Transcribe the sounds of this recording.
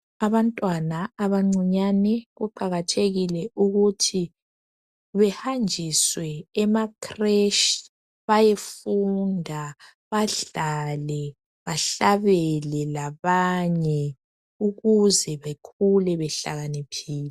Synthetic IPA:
aβantʼwanaːβaŋ͡ǀiɲanɛɣuǃaɣatʰeɣilɛuɣutʰi | βɛhand͡ʒʱiswɛːmakʰrɛʃ | βajefundʱa | βaɮalɛ | βaɬaβɛlɛlaβaɲɛ | uɣuzɛβekʰulɛβɛɬa̰ɣanipʰiːlɛ

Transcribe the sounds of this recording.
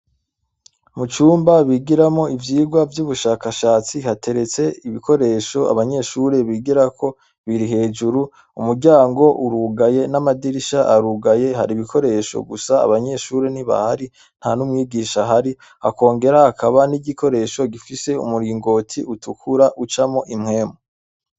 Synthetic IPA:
mut͡ʃuːmbaβiɡiɾamo̞ivjiːɡwavjuβuʃaːkaʃaːt͡sihatʰe̞ɾe̞t͡se̞iβiko̞ɾe̞ːʃo̞a̰βaɲe̞ʃuɾe̞βiɡiɾakʰo̞ | βiɾiɦe̞ːd͡ʒuɾu | umuɾɟaːŋɡo̞ʔuɾuɡaje̞namadiɾiʃaʔaɾuɡaje̞ɦaɾiβikʰo̞ɾe̞ʃo̰ɡusaa̰βaɲe̞ʃuɾe̞niβa̰haɾi | n̥hanumŋiːɡiːʃaɦaɾi | ha̰ko̞ːŋɡe̞ɾahːkʰaβaniɟiko̞ɾe̞ːʃo̞ɡifise̞ṵmuɾiːŋɡo̞tʰiutukʰuɾaʔut͡ʃamo̞ʔimŋe̞ːmo

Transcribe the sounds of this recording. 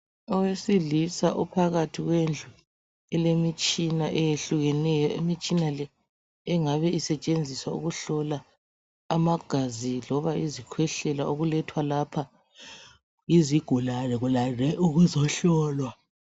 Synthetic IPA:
ɔwesilisaʔupʰaɣatʰiɣwend͡ɮʱu | ɛlemit͡ʃʼinaʔɛjeɬuɣɛnɛjɔimit͡ʃʼinalɛ | ɛŋaβɛisɛt͡ʃʼend͡zʱiswaṵɣuɬɔlaː | maɡ̥ʱazilɔβaizikʰwɛɬɛlaoɣulɛtʰwalapʰa | iziɡ̥ʱulalɛɣulalɛʔuɣuzɔɬɔːlwa

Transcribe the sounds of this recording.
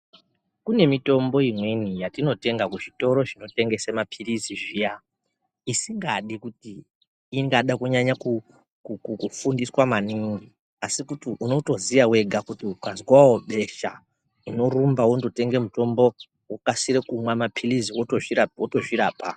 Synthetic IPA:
kune̞mito̞mbo̞imwe̞nijatino̞te̞ŋɡakuʐito̞ɾo̞ʐino̞te̞ŋɡe̞semapʰiriziʐija | isiŋɡaɗikutiː | ŋɡaɗakuɲaɲaku | kukukufundiswamaniŋɡi | asikutiʔuno̞to̞ziʋawe̞ɡʱakutiukazwawo̞ɓe̞ʃa̰ | uno̞ɾumbaundo̞te̞ŋɡe̞muto̞mbo̞ | wukasiɾekumwamapʰiriziwooiotoʐiɾaːpa

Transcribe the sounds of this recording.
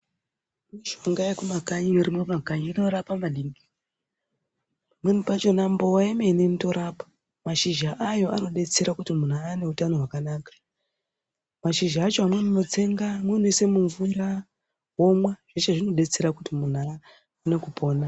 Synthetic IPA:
miʃoŋɡaekumakaɲiuɾimemakaɲino̞ɾapamaɗiŋɡi | mun̤upat͡ʃo̞nambowaemenenito̞ɾʔapḁ | maʃiʒaʔajo̞ʔa̰no̞ɗe̞t͡se̞ɾakutimun̤aːne̞utano̞ɦwakanaːkḁ | maʃiʒaːt͡ʃoamwenino̞t͡se̞ŋɡamwenoise̞muɱvuɾa | wo̞mwaʐ̥et͡ʃeʐino̞ɗe̞t͡se̞ɾakutimun̤a | une̞kupʰo̞ːna

